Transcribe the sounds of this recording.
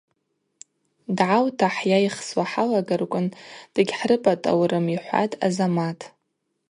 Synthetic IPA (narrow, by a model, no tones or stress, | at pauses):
dʕawtʰaħjajχswaħalaɡarkʷʼʊnd̥ɨɡʲħrɨpʼatʼa̰wɾɨmiħʷa̰tʼa̰zamatʼʰ